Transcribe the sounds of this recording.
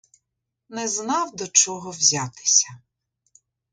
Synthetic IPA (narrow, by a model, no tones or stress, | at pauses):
nɛznɑwd̪ɔt͡ʃɔɦɔwzʲat̪ɪ̥sʲɐ